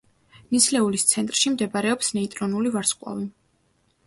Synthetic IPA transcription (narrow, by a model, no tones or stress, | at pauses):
nislɛulist̪sʰɛnt̪ʼɾʃimd̪ɛbaɾɛɔpsnɛit̪ʼɾɔnulivaɾsqʼwa̰vi